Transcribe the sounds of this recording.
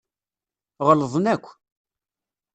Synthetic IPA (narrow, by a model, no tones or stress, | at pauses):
ʁələðˤnækʷː